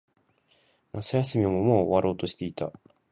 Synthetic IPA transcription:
nasɨjasɨmʲiomomoːoβaɾʔo̞ːt̪o̞ɕi̥t̪e̞it̪a̰

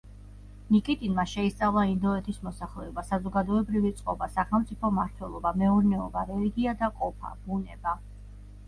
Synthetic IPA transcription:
nikʼit̪ʼinmaʃɛist̪sʼavlˠaind̪ɔɛt̪ʰismɔsaχlɛɔbasazɔɡad̪ɔɛbɾivit̪sʼqʼɔbasaχɛlˠmt̪sʼipʰɔmaɾt̪ʰwɛlˠɔbamɛuɾnɛɔbaɾɛliɡiad̪aqʼɔpʰa̰b̥unɛ̰ba

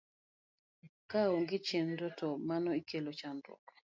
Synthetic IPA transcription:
kaoŋɡɪt͡ʃendɔtɔmanɔikelot͡ʃandwɔ̰k

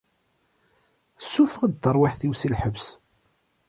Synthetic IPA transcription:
sufəʁd̪d̪əɾˤwɪħθiwsilħəbs

